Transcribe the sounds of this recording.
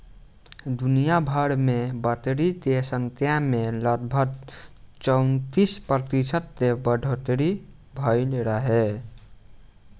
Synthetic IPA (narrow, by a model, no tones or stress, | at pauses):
d̪unijabʱəɽmebət̪ɽit̪esənt̪jameləɡbʱəkt͡ʃəwnt̪ispɾət̪isət̪ːebəɖʱot̪ɽi | bʱəɪlɾəɦe